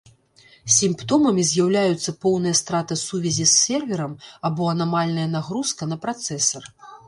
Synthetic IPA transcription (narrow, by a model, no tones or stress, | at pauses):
sʲimpt̪ɔmɐmʲizʲjawlʲajut̪sːɐpɔwnɨjɐst̪ɾat̪ɨsuvʲɛzʲisʲːɛrvʲɛɾɐmabɔɐnamalʲnɐjɐnaɣɾuskɐnɐpɾat̪sɛsɐr